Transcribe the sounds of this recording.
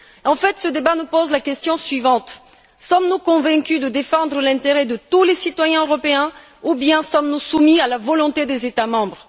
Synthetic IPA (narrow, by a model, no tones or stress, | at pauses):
ɑ̃fɛt̪səd̪ebanupozlakʲɛst̪jɔ̃sɥivɑ̃t̪ | sɔmnukɔ̃vɛ̃kʲyd̪əd̪efɑ̃d̪ʁəlɛ̃t̪eʁɛd̪ət̪ulesit̪wajɛ̃øʁɔpeɛ̃ | ubjɛ̃sɔmnusumialavɔlɔ̃t̪ed̪ezet̪amɑ̃bʁ